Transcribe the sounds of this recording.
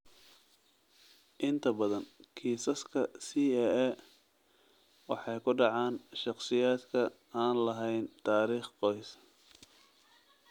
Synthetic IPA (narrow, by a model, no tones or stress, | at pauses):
ʔɪnt̪ʰɐbɐðɐnkʰiːsɐskʰɐsiːɛɛ | wɑ̰ħɑjkʰʊɖɑʕɑːnʃɑqsɪjaːd̪kʰɐ | aːnlɐɦɛjnt̪ʰaːɾiːχqɔjs